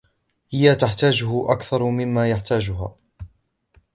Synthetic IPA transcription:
hɪjat̪aħt̪aːd͡ʒʊhʊʔa̰kθɑɾˤmɪmːaːjaħt̪aːd͡ʒʊɦa̰ː

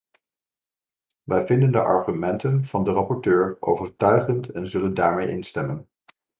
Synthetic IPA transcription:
ʋɛjvɪndəndə̰ʔɑ̰ɹχymɛntənv̥ɑndərɑpɔɹtøːɹʔo̰wvəɹtœɥχəntɛnzɵləndaːɹmejʔɪnstɛmən

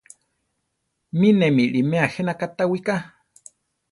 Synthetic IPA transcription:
minemiɺimẽaxenakat̪awika

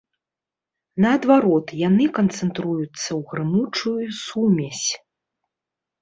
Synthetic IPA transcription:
nɐːd̪vaɾɔt̪janɨkɐnt̪sɛnt̪ɾujut̪sːɐwɣɾɨmut͡ʂujusumʲɛsʲ

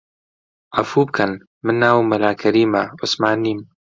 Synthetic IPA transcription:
ʔɐfuːb̚kʰɐn | mɨnːaːwmɐlaːkʰɐɾiːmɐʔʊsmaːniːm

